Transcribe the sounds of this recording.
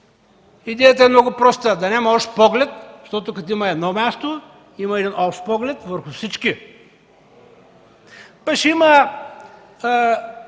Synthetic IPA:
id̪ɛjət̪əɛmnɔɡʊpɾɔst̪əd̪ɐnɛmɔʃt̪pɔɡlɛt̪ʃt̪ɔt̪ʊkɐt̪oiməɛd̪nɔmʲjast̪o | iməɛd̪inʔɔpʃt̪pɔɡlɛt̪vəɾxʊfsit͡ʃki | paʃimə

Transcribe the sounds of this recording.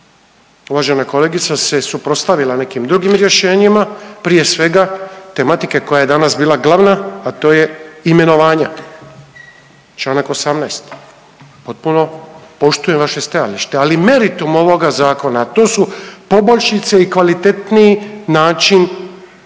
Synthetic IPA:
uʋaːʒe̞nako̞le̞ːɡit̪sase̞supɾot̪st̪aʋilane̞kimd̪ɾuɡimɾje̞ʃe̞ːɲimapɾije̞sʋe̞ɡat̪e̞mat̪ikeko̞jajed̪anasbiːlˠaɡlˠaʋnaːt̪o̞ːje̞ime̞no̞ʋaːɲa | t͡ʃlˠaːnako̞samnajst̪ | po̞t̪̚puno̞po̞ʃt̪uje̞mʋaʃe̞st̪aja̰liʃt̪ealime̞ɾit̪umo̞ʋo̞ɡazaːko̞naːt̪o̞ːsupo̞boʎʃit̪seikʋalit̪e̞t̪niinaːt͡ʃin

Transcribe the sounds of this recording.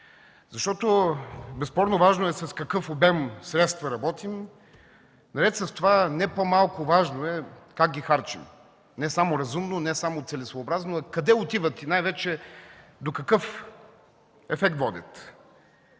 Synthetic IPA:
zɐʃt̪ɔt̪obɛspɔɾnovaʒnoɛsɐskɐkɤfobɛmsɾɛt̪st̪vɐɾɐbɔt̪im | nɐɾɛt̪sɐst̪ovanɛpomalˠkʊvaʒnoɛkak̚ɡʲixaɾt͡ʃḭm | nɛsamoɾɐzumnonɛsamot̪sɛlɛsvoːbɾaznoɐkɐd̪ɛʊt̪ivət̪inajvɛt͡ʃɛd̪okɐkɤf | ɛfɛkt̪vɔd̪ʲɛ̰t̪

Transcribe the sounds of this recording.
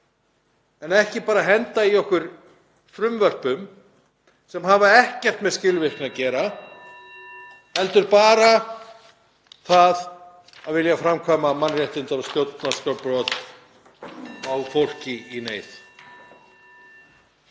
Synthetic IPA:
ɛnɛhcɪpaːɾaɦɛnt̪aiɔhkʏɾ̥ | fɾʏmvœr̥pʏm | sɛmɦaːvaɛhcɛr̥t̪mɛðscɪlvɪrknacɛːɾa | ɛlt̪ʏɾpaːɾa | θað | aðvɪljafɾamkʰvaːmamanrjɛht̪ɪnt̪aɾast̪jowt̪nast̪ɔpɾɔt̪ | awfowl̥cɪineːjθ

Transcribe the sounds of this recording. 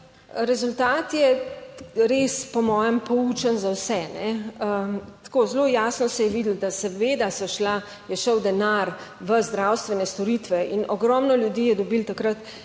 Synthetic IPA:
ɾɛzult̪aːt̪jɛ | ɾespɔmɔːjɛmpɔut͡ʃənzawsɛnɛət̪koːzloːjaːsnɔsɛjɛʋiːd̪əl̩d̪asɛʋeːd̪asɔʃla | jɛʃəwd̪ɛnaɾ | ʋəzd̪ɾawst̪ʋɛnɛst̪ɔɾiːt̪ʋɛʔinɔɡɾɔmnɔljud̪iːjɛd̪ɔbiːlt̪akɾat̪

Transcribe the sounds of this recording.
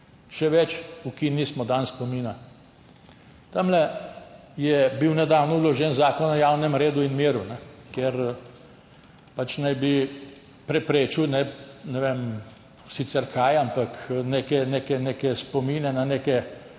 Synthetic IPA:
ʃɛʋɛt͡ʃukiːnːismɔd̪anspɔmiːna | t̪amlɛ | jɛbiwnɛd̪awnɔulɔʒɛnzaːkɔnajawnɛmɾeːd̪uinmiːɾunɛkjeɾ | pat͡ʃnajbi | pɾɛpɾeːt͡ʃiwnɛnɛʋem | sit̪sɛɾkaːjampaknekɛneːkɛneːkɛspɔmiːnɛnaneːkɛ

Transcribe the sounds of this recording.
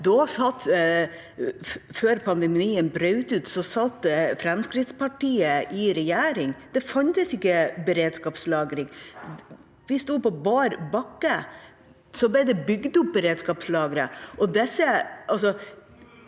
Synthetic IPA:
d̪ɔsɑt̪ː | føːɾpʰɑnd̪ɛmiːənbɾœʉt̪ʉːt̪sɔsɑt̪ːfɾɛmskɾɪt̪spɑʈiːəʔɪɾɛjæːɾɪŋd̪̥ɛfɑnt̪əsɪkːəbəɾeːd̪skɑːpslɑːɡɾɪŋ | ʋɪst̪uːd̪pɔbɑːɾbɑkːə | sɔblɛɪd̪ɛbʏɡd̪ʊp̚bəɾeːd̪skɑːpslɑːɡəɾəɔd̪ɛsːəʔɑls̬ɔ

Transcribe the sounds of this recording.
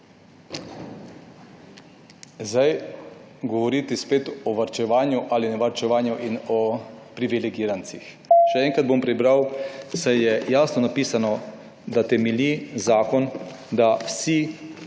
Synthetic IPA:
zaj | ɡɔʋɔɾiːt̪ispeːt̪ɔʋaɾt͡ʃɛʋaːnjuʔalinɛʋaɾt͡ʃɛʋaːnjuʔinɔpɾiʋilɛɡiːɾant̪six | ʃɛɛŋkɾad̪̚bompɾibɾawsajjɛjaːsnɔnapiːsanɔ | d̪at̪ɛmɛlʲizaːkɔn | d̪awsi

